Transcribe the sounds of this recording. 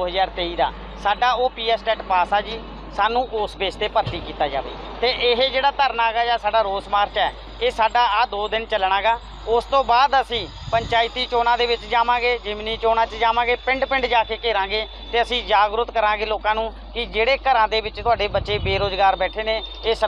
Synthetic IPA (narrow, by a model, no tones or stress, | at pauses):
oːɦəzaːɾt̪eːiːd̪a̰ː | saːɖaːoːpiːɛːsʈɛːʈpaːsaːd͡ʒiː | saːnũːʔʊsbeːd͡ʒt̪eːpəɾt̪iːkiːt̪aːd͡ʒa̰ːʋḛː | t̪eːʔɪɦeːd͡ʒeːɽaːt̪əɾnaːɡaːd͡ʒaːsaːɖaːɾoːsmaːɾt͡ʃɛː | eːsaːɖaːaːd̪oːd̪ɪnt͡ʃəlɽaːɡaː | ʊst̪õːbaːd̪əsĩː | pəɲt͡ʃaːɪt̪iːt͡ʃoːnãːd̪eːʋɪt͡ʃd͡ʒaːmãːɡeːd͡ʒɪmniːt͡ʃoːnãːt͡ʃəd͡ʒaːmãːɡeːpɪ̃ɳɖpɪ̃ɳɖd͡ʒaːkeːkeːɾãːɡeː | t̪eːəsĩːd͡ʒaːɡɾʊt̪kəɾãːɡeːloːkãːnũː | kɪd͡ʒeːɽeːkəɾãːd̪eːbɪt͡ʃt̪ʊaːɖeːbətːʃeːbeːɾoːzɡaːɾbɛːʈʰeːneːeːs